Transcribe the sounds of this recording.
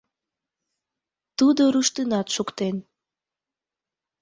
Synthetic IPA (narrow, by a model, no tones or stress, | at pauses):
t̪ud̪oɾuʃt̪ənɑt̪ʃukt̪en